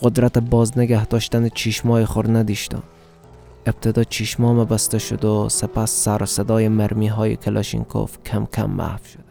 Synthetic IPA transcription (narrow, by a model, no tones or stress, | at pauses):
qod̪ɾat̪ebɒzneɡæhd̪ɒʃt̪ænit͡ʃʰiʃmɒːjeχoɾnæd̪iʃt̪o̰ | eb̥̚t̪ʰed̪ɒt͡ʃʰiʃmɒmæbæst̪aʃod̪ʊsepʰasːæɾsed̪ɒːjemæɾmiɦɒːjḭkʰelɔ̰ʃḭŋkʰo̰fkʲʰæmkʲʰa̰mːa̰hfʃo̥d̪̥